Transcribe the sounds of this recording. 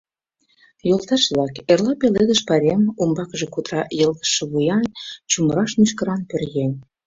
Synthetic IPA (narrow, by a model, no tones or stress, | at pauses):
jolˠt̪ɑʃβlɑkerlɑpeled̪ə̆ʃpɑɾʲemumbɑkəʒekut̪ɾɑjə̆ld̪ə̥ʃːĕβujɑnt͡ɕuməɾɑʃmyʃ̬kə̆ɾɑnpørɣenʲ